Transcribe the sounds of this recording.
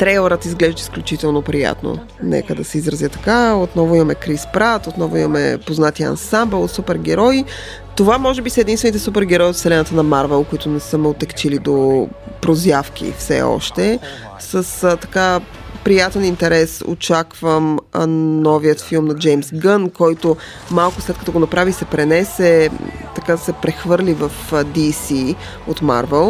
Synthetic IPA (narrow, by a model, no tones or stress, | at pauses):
t̪ɾɛjlˠəɾət̪izɡlɛʒd̪əi̥sklʲut͡ʃit̪ɛlˠnopɾija̰t̪no̰ | nɛ̰kəd̪ɐsɛizɾɐzjət̪ɐ̥kaot̪nɔvʊimɐmɛkɾispɾat̪ot̪nɔvʊimɐmɛ̰poznat̪iɐ̰nsambɛlˠsupɛɾɡ̟ɛɾɔj | t̪ovamɔʒɛbisəɛd̪inst̪vɛnit̪ɛsupɛɾɡɛɾɔjot̪sɛlɛnət̪ənɐmaɾvɛlˠkoit̪ʊnɛsəmɛot̪ɛkt͡ʃilid̪opɾozjafk̟ḭfsɛ̰ɔ̰ʃt̪ɛ | səst̪ɐ̥ka | pɾijat̪ɛnint̪ɛɾɛso̰t͡ʃakvəmənɔvijət̪filˠmnɐd͡ʒɛjmsɡənkɔjt̪o | malˠkʊslɛt̪̚kɐ̥ət̪oɡonɐpɾavisɛpɾɛnɛsɛt̪ɐkasɛpɾɛxvɤɾlivəfd̪isi | ot̪ma̰ɾvɛlˠ